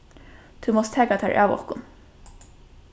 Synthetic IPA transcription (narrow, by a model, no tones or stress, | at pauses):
t̪ʰumɔst̪ʰæːkat̪ʰæːɹʔa̰ːwɔ̰hkʊn